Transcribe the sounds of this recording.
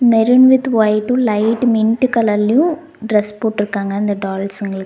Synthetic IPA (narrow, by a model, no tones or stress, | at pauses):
mɛɾunʋɪd̪ʋɐjʈũlɐɪʈmɪɳʈkɐlɐlːɐjũ | ɖɾɐspoːʈːɪɾɯkːaːŋɡɐɪnd̪ɐɖaːlsɐŋɡɐlɐkː